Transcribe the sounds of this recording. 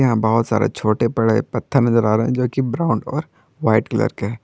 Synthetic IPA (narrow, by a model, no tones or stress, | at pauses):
ɐɦãbɐɦʊt̪sa̰ːɾḛt͡ʃʰoːʈepɐɽepɐt̪ʰːəɾnɐzəɾaːɾɐɦɛ̃d͡ʒoːkibɾaːʊ̃ɳɖɔːɾ | ʋaːɪʈkɐlə̰ɾkeɦɛː